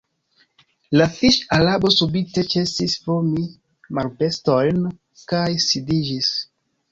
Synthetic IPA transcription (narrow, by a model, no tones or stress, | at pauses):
lafiʃalabo̞subite̞t͡ʃe̞sisfomi | malpe̞sto̞jn | kajsidid͡ʒis